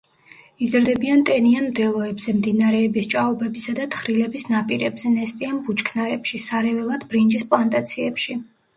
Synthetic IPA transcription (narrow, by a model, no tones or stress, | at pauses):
izɾd̪ɛbiant̪ʼɛnianmd̪ɛlˠɔɛbzɛmd̪inaɾɛːbist͡ʃʼaɔbɛbisad̪at̪ʰχɾilɛbisnapʼiɾɛbzɛnɛst̪ʼianbut͡ʃʰkʰnaɾɛpʃisaɾɛvɛlˠad̪bɾind͡ʒispʼlˠant̪ʼat̪sʰiɛpʃi